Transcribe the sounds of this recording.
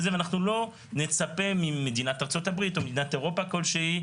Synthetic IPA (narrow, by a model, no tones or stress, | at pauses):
zeveanaχnulo̞ | ne̞t͡sape̞mimed̪inat̪aʁt͡so̞tabʁit̪o̞med̪inat̪eʁo̞pako̞lʃehi